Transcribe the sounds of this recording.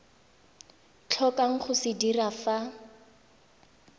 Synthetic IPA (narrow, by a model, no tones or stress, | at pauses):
t͡ɬʰɔkaŋ̩χʊsɪdirafa